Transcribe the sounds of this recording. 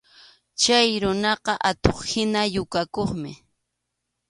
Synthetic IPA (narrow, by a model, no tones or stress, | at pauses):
t͡ʃajɾʊnɑqɑʔat̪oχhɪnajʊkakoχmɪ̰